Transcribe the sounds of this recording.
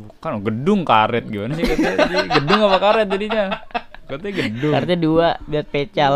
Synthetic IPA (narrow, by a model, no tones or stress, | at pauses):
kanɡədʊŋkaɾɛt̪̚ɡimanaɲakətɡədʊŋapakaɾɛt̪̚d͡ʒadiɲakət̪ɛɡədʊkart̪aduaduat̪̚pet͡ʃa